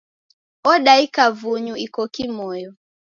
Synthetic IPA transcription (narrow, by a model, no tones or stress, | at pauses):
ɔɗaikavuɲuikɔkimɔjɔ